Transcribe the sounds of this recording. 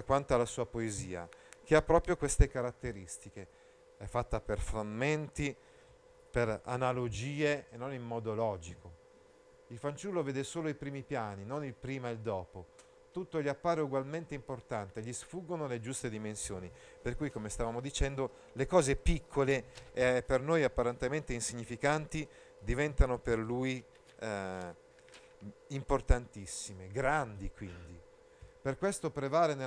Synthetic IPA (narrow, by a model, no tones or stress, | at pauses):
akwant̪oalasuːapoezḭːa̰k̟eapːɾɔːpɾjokwest̪ekaɾat̪ːeɾist̪ike | ɛfːat̪ːaperfɾamːent̪i | pera̰nalod͡ʒiːeenːonimːɔːd̪olɔːd͡ʒikʰo | ilfant͡ʃulːoveːd̪esoːloipɾiːmipjaːninonilpɾiːmaild̪ɔːpo | t̪ut̪ːoʎiapːaːɾeuɡwalment̪eimport̪ant̪eʎisfuɡːonoled͡ʒust̪ed̪imensjo̰ːniperkujkomest̪avaːmod̪it͡ʃɛnd̪o | lekɔːzepikʰːolepːernojapːaɾent̪ement̪einsiɲːifikant̪i | d̪ivɛnt̪anoperluːj | import̪ant̪isːimeɡɾand̪ikwind̪i | perkwest̪opɾevaːlene